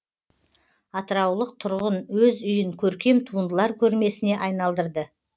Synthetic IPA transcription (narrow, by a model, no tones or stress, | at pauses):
ɑt̪əɾɑwlˠəq̚t̪ʰʊɾʁənwɵzʏjɪŋkʲʰɵɾkʲe̞mt̪ʰuənd̪əlˠɑɾkʲʰɵɾme̞sɪne̞ʔɑjnɑlˠd̪əɾd̪ə